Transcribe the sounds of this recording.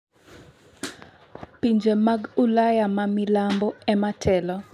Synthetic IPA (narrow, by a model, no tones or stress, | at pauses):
piɲd͡ʒemaɡulajamamɪlambɔɛmatʰɛlɔ